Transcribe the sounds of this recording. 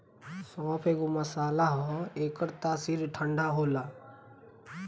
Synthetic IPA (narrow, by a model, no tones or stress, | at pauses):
sɔːpʰeːkumɐsaːlaɦɔeːkəɾt̪aːsiːɾʈʰəɳɖʱaɦoːlaː